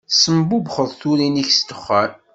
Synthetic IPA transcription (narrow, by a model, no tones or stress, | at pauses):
səmbubχəðˤθuɾiniçst̪əχːəɾ